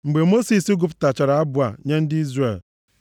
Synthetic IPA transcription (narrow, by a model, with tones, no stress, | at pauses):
ŋ͡m̩˨ɡ͡be˨mo˦si˨si˦ɡʊ˨p̬ʊ̥˨ta˨t͡ʃa˨ɾa˨˦a˦bʊ˨a̰˨ɲe˦n̩˦dɪ˦i˦zɾe˨l